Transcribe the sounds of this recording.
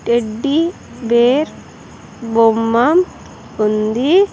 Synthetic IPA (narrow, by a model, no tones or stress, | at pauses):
ʈeɖːi | beːɾ | bomːam | und̪i